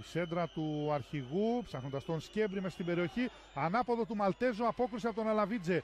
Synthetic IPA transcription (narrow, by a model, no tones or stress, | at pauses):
ise̞nd̪ɾɐt̪uɐɾçiɣupsɐxnod̪ɐst̪o̞nsce̞vɾimesɐst̪ibe̞ɾio̞çi | ɐnɐpo̞ðo̞t̪umɐlt̪e̞zuɐpo̞kɾisiɐpot̪onɐlɐvid͡ze